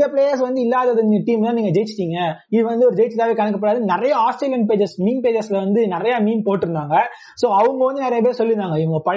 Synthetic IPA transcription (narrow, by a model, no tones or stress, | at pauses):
ɐpɭeːjɐɾsʋɐnd̪ɯɪlːaːðɐðɯnʈiːmlãːniːŋɡɐd͡ʒɛjt͡ʃːɪ̥ʈːiːŋɡɐɪðɯʋɐnd̪ɯɔɾɯd͡ʒɛjɪt͡ʃːt̪aːʋekɐnɯk̬ːɐpɐɽaːðɯnɪɾɐjɐaːsʈɾeːljɐnpeːd͡ʒɐɾsmiːnpeːd͡ʒɐɾslɐʋɐnd̪ɯnɪɾɐjaːmiːnpoːʈːɪɾɯnd̪aːŋɡɐ | soːɐʋɯŋɡɐʋɐnd̪ɯnɪɾɐjɐpeːɾsɔlːɪɾɯnd̪aːŋɡɐɪʋɯŋɡɐpɐ